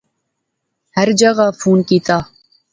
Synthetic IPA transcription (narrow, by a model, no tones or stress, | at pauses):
hɐɾd͡ʒɐɣaːfuːnkiːt̪aː